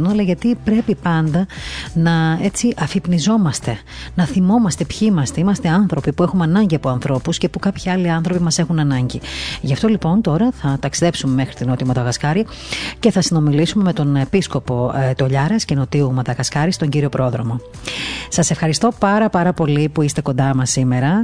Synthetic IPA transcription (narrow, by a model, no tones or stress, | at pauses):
noɐlɐʝɐt̪ipɾe̞pipɐnd̪ɐnɐe̞t͡siʔɐfipnizo̞mɐst̪e̞ | nɐθimo̞mɐst̪e̞pçɐimɐst̪e̞imɐst̪e̞ɐnθɾo̞pipue̞xumɐnɐɲɟiɐpoɐnθɾo̞pusce̞pukɐpçiɐliɐnθɾo̞pimɐse̞xunɐnɐɲɟiʝɐft̪o̞lipo̞nt̪o̞ɾɐθɐt̪ɐksiðe̞psumeme̞xɾit̪ino̞t̪iumɐt̪ɐɣɐskɐɾi | ce̞θɐsino̞milisume̞me̞t̪o̞ne̞pisko̞po̞t̪o̞ʎɐɾɐsceno̞t̪iumɐt̪ɐɣɐskɐɾist̪o̞ɲɟiɾio̞pɾo̞ðɾo̞mo̞ | sɐse̞fxɐɾist̪o̞pɐɾɐpɐɾɐpo̞lipuist̪e̞ko̞nd̪ɐmɐsime̞ɾɐ